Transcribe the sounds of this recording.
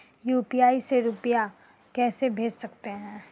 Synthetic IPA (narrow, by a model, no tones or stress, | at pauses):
juːpijaːiseɾʊpija | kɛːsebʱeːd͡ʒsɐkt̪eɦɛ̃ː